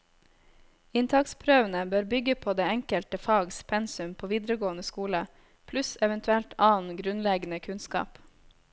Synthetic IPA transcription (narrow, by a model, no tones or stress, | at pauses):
ɪnt̪ʰɑkspʰɾøːʋənəbøːɾbʏɡəpʰoːd̪eːɛŋkəlt̪əfɑːɡspʰɛnsʉmpʰoːʋiːd̪ɾəɡoːənəskuːlə | pʰlʉsɛʋɛnt̪ʰʉɛlt̪ʰɑːnɡɾʉnlɛɡnəkʰʉnskɑ̰ːp